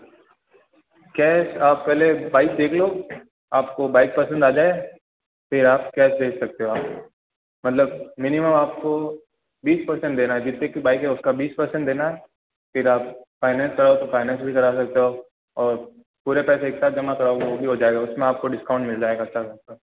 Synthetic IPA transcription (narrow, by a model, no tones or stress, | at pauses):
kɛːsaːpːɛɦlebaːɪk̚d̪eːkʰloː | aːpkobaːɪk̚pɐsə̃nd̪aːd͡ʒaːe | fʰɪɾaːp̚kɛːsd̪eːksɐk̚t̪eɦoaːp̚o | mɐt̪ləb̚mɪniməmaːp̚ko | biːspɐɾsɛ̃ɳʈd̪eːnaɦɛd͡ʒɪt̪ːekibaːɪkɦɛʊskabiːspɐɾsɛ̃ɳʈd̪eːnaɦɛ | fɪɾaːp̚faːɪnɛ̃ːnskɐɾat̪ofaːɪnɛ̃ːnsbʱikɐɾas̬ɐk̚t̪eɦo | ɔːɾ | puːɾepɛːseeːksaːt̪̚d͡ʒɐmakɐɾaoɡaʋobʱiɦod͡ʒaːeɡaʊsmẽaːp̚koɖɪskãːʊ̃ɳʈmɪld͡ʒaːeːɡaːtt͡ʃʃʰakɐt̪a